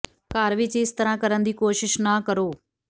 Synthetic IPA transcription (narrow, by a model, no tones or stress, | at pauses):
kaːɾʋɪt͡ʃɪst̪əɾãːkəɾənd̪iːkoːʃɪʃnakəɾoː